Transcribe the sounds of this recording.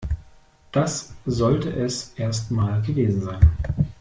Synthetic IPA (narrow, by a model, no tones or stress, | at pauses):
d̥aszɔltəʔɛsʔeːɐstmaːlɡəveːzn̩zaɪn